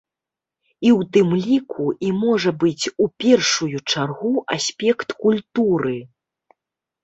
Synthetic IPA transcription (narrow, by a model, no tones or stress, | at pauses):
iwt̪ɨmlʲikʰuʔimɔʐɐbɨt͡sʲupʲɛrʂujut͡ʂarɣuʔasʲpʲɛkt̪kulʲt̪uɾɨ